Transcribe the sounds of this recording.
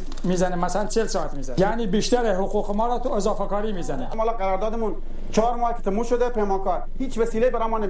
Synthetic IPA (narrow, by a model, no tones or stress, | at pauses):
miːzænemæsælænt͡ʃʰelsɒːæt̪miːzænjæːniːbiːʃt̪æɾeɦoquːqemɒːɾɒːt̪uezɑːfekɒːɾiːmiːzænemhɑːlɑːqæɾɔːɾd̪ɑːd̪emun | t͡ʃʰɑːɾmɔːhkʲe̥t̪ʰemuːʃod̪epejmɑːkɑːɾhiːt͡ʃʋæsiːleibæɾɑmɑːne